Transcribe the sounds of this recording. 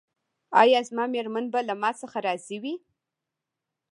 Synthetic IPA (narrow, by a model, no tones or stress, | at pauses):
ɑ̰jɑzmɑmeɾmanbalamɑsəxaɾɑziwi